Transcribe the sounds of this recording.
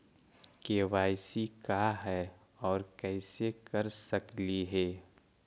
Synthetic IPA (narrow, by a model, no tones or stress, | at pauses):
keːʋaːɪsikaɦɛ | ɔːɾkɛːɪsekɐɾsəkliɦɛː